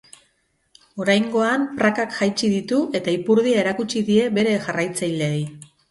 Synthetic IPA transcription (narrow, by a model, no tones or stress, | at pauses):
o̞ɾajŋɡo̞ampɾakakʝajt͡ʃiðit̪uʔe̞t̪aipuɾðiae̞ɾakut͡ʃiðie̞βe̞ɾe̞ʝarajt͡sajleej